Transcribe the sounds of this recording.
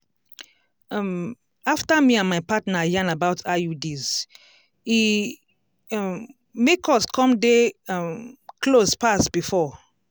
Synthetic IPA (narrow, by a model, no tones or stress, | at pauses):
m | aftamiãnmaɪpatnajãnabaʊtʰajudiz | i | mekʰɔskʰɔ̃mdemkʰlospastb̥ifɔ